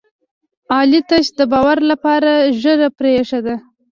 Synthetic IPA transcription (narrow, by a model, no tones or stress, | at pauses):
ɑlit̪aʃd̪əbɑwaɾlapɑɾaʒəɾapɾeʂad̪a